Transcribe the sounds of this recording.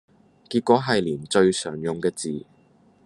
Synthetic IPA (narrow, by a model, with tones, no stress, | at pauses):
kiː˧t̚kʷɔː˨˥ɦɐ˨jliː˨˩nt͡ʃɵ˧ɥsœː˨˩ŋjʊ˨ŋkɛː˧t͡siː˨˩